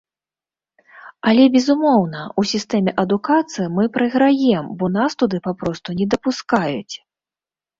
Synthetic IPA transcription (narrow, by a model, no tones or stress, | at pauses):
ɐlʲɛbʲɛzumɔwnɐusʲist̪ɛmʲɛʔɐd̪ukat̪sɨjimɨpɾɨɣɾajɛmbɔnast̪ud̪ɨpapɾɔst̪unʲɛd̪ɐpuskajut͡sʲ